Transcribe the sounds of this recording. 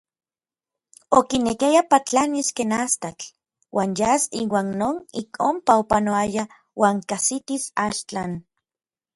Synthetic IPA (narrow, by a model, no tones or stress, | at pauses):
okinekijapat͡ɬaniskenast̪at͡ɬ | wʔaːnjasiwaːnːoːnikʰompaopanoaja | waːŋkasit̪isaʃt͡ɬan